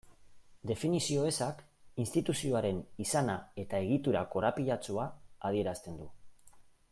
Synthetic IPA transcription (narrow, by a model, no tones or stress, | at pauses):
d̪e̞finisio̞esak | inst̪it̪usio̞aɾe̞nisanae̞t̪ae̞ɣ̞it̪uɾako̞ɾapiʎat͡suaːð̞ie̞ɾast̪e̞nd̪u